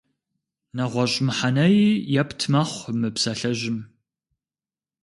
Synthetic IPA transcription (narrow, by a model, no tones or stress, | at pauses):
nɐʁʷɔɕʼɪmħanɐjijapʰtʰmɐχʷmɨpsɐɬɐʒɪm